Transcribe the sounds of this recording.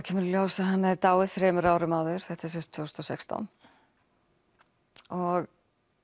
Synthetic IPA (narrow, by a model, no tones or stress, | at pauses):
cʰɛːmʏɾljoːwsaɦanːaɾt̪aːwɪðθɾɛːmʏɾaːwɾɪmaːwðʏɾ̥θɛht̪ɛsɛst̪ʰvowst̪ɔsɛkst̪a̰wn | ɔɣ